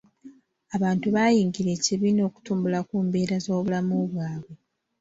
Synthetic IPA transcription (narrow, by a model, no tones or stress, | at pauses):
aβaːntuβajiːŋɡiɾe̞ːciβino̞ːku̥tuːmbulakuːmbe̞ːɾazo̞ːβulamoːβwaːβwe̞